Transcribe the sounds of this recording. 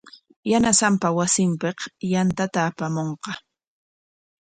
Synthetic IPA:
janasampawasɪmpeqjant̪at̪aːpamoɴqɑ

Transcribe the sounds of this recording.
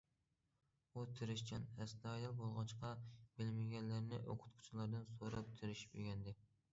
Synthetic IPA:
ut̪ʰɪɾɪʃt͡ʃʰɛnɛst̪ɑjɑlˠbolˠʁɑt͡ʃqʰɑb̥ɪlmɪɡʲɛnlæɾnɪʔoqʰʊ̥t̪qʰʊ̥t͡ʃʰilˠɑɾd̪ɨnsoɾɑp̚t̪ʰɪɾɪʃpyɡʲɛnd̪ɪ

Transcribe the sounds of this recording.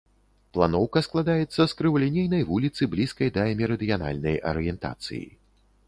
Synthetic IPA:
plˠanɔwkɐsklˠad̪ajɛt̪sːɐskɾɨvulʲɛnʲejnɐjvulʲit̪sɨblʲiskɐjd̪ɐɛmʲɛɾɐd̪ɨjana̰lʲnɐjʔɐ̰ɾɨjɛnt̪a̰t̪sɨ̰jḭ

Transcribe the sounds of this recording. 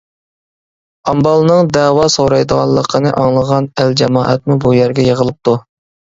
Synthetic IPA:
ɑmbɑlˠnɨŋd̪ɛːwɑsoɾɑjd̪əʁɑ̰lˠːəqʰənɨʔɑŋlˠəʁɑnæld͡ʒɛmɑːʔɛ̰t̪̚mubujæɾɡʲɛjəʁəlˠɨp̚t̪u

